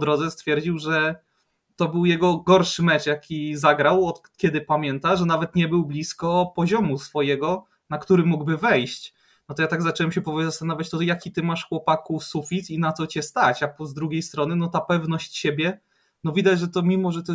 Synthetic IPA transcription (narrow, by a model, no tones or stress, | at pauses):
pɔd̪ɾɔd̪zɛst̪fʲjɛɾd͡ʑiwʐɛ | t̪ɔbɘwjɛɡɔɡɔɾʂɘmɛt͡ʂjakʲizaɡɾawɔt̪kʲɛd̪ɘpamʲjɛnt̪aʐɛnavɛt̪ɲɛbɘwblʲiskɔpɔʑɔmusfɔjɛɡɔ | nakt̪uɾɘmːuɡbɘvɛjɕt͡ɕ | nɔt̪ɔjat̪aɡzat͡ʂɛwɛmɕɛpɔvɔlʲizast̪anavʲjat͡ɕt̪ɔjakʲit̪ɘmaʂxwɔpakusufʲit̪inat̪sɔt͡ɕɛst̪at͡ɕapɔzd̪ɾuɡʲejst̪ɾɔnɘnɔt̪apɛvnɔɕt͡ɕt͡ɕebʲjɛ | nɔvʲid̪ad͡ʑʐɛt̪ɔmʲimɔʐɛt̪ɔ